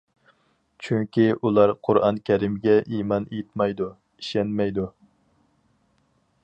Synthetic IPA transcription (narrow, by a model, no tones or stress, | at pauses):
t͡ʃʰyŋkʲʰiʔulˠɑɾqʰʊɾɑ̰nkʲʰɛɾimɡʲɛʔimɑnejit̪̚mɑjd̪u | iʃɛnmɛjd̪u